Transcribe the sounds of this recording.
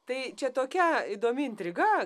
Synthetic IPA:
t̪ɐɪt͡ʃʲɛt̪oːkʲɛɪd̪oːmʲɪɪnʲt̪ʲɾʲɪɡɐ

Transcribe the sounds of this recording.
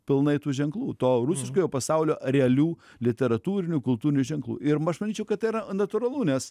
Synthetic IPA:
pʲɪlˠnɐɪt̪uːʒʲɛŋklˠuːt̪oːrusʲɪʃkoːjoːpɐsɑʊlʲoːɾʲɛɐlʲuː | lʲɪt̪ʲɛɾɐt̪uːɾʲɪnʲukʊlˠt̪uːɾʲɪnʲuːʒʲɛŋklˠṵːɪɾmɐʃmɐnʲiːt͡ʃʲɛʊkɐt̪t̪ɐɪɾɐnɐt̪ʊɾɐlˠuːnʲɛs

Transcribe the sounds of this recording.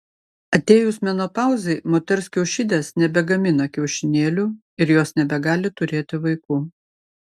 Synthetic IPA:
ɐt̪ʲeːjʊsmʲɛnoːpɑˑʊzʲɐɪmoːt̪ʲɛɾʲsʲkʲɛʊʃʲɪd̪ʲeːsnʲɛbʲɛɡɐmʲɪnɐkʲɛʊʃʲɪnʲeːlʲu | ɪɾjoːsnʲɛbʲɛɡɑːlʲɪt̪ʊɾʲeːt̪ʲɪʋɐɪkuː

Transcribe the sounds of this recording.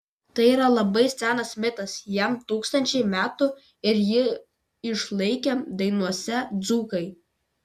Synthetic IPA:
t̪ɐɪiːɾɐlˠɐbɐɪsʲæːnɐsmʲɪt̪ɐsjɛmt̪uːkst̪ɐnʲt͡ʃʲɛɪmʲæːt̪ʊ | ɪɾjɪ | ɪʃlˠɐɪkʲɛd̪ɐɪnuɔsʲɛd̪zuːkɐɪ

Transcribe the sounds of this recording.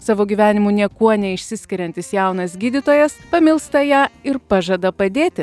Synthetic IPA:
sɑːʋoːɡʲiːʋʲæːnʲɪmuːnʲiɛkuɔnʲɛɪʃʲsʲɪsʲkʲɪɾʲɛnʲt̪ʲɪsjæˑʊnɐsɡʲiːd̪ʲɪt̪oːjɛspɐmʲɪlˠst̪ɐjæːɪɾpɑʒɐd̪ɐpɐd̪ʲeːt̪ʲɪ

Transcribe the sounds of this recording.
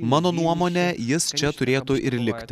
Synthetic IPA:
mɑːnoːnuɔmoːnʲɛjɪst͡ʃʲɛt̪ʊɾʲeːt̪ʊʔɪɾlʲɪkʲt̪ʲ

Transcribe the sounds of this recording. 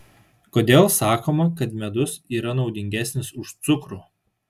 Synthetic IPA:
koːd̪ʲeːlˠsɑːkoːmɐkɐt̪mʲɛd̪ʊsiːɾɐnɒʊd̪ʲɪŋʲɡʲæːsʲnʲɪsʊʃt̪sʊkɾuː

